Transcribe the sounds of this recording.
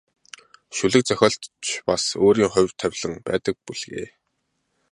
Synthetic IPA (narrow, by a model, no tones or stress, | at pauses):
ʃuɮɘ̆k̚t͡sœxʲɔːɮt̪t͡ɕʰpasoːɾiːŋχʊ̟jwt̪ʰæwʲɮə̆ŋpæ̰ːt̪ə̆k̚puɮɣḛː